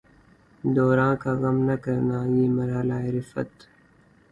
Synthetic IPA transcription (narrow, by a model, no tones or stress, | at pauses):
d̪ɔːɾãːkaːɣɐmnɐkɐɾnaːjiːmɐɾaːlaːɪɾɪfɐ̰t̪